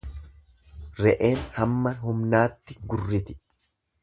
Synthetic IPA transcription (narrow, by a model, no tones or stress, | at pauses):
ɾɛʔe̞ːnhɐmːɐɦʊmnaːt̪ːɪɡʊrːɪt̪ɪ̥